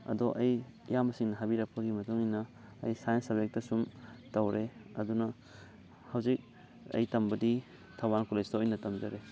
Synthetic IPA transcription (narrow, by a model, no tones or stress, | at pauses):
ɐ̰dɔʔɐjjamɐsiŋnɐɦabiɾɐk̚pɐɡimɐtuŋinɐːjsajensɐbek̚tɐsumtɐwɾʔeɐ̰dunɐ | hɐwzik̚ | ɐ̰jtɐmbɐdi | tʰawankulestaɔjnɐtɐmd͡ʒɐɾe